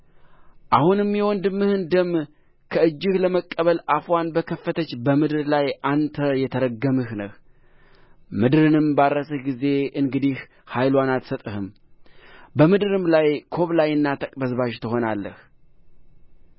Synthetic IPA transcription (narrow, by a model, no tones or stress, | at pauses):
ʔahunɨmːɛwɔnd̪ɨmːɨhɨnd̪əmː | kʰəɨd͡ʒːɪhləməkʼːəβəlʔafwanbəkʰəfːət̪ʰət͡ʃːbəmɨd̪ɨɾlajʔant̪ʰəjɛt̪ʰəɾəɡːəmɨhnəh | mɨd̪ɨɾɨnɨmbadːəsɨhɡize̞ʔɨŋɡɨd̪ih | hajlwanat̪sət̪ʼɨhɨm | bəmɨd̪ɨɾɨmlajkʰo̞βlajɨnːat̪ʰəkʼbəzβaʃt̪ʰɨɦo̞nalːə̰h